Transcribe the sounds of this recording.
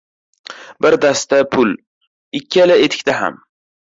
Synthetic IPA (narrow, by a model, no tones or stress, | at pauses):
bɪɾd̪ast̪apʰʊl | ɪkʲʰːɪalaet̪ʰɪ̥kʲt̪aɦa̰m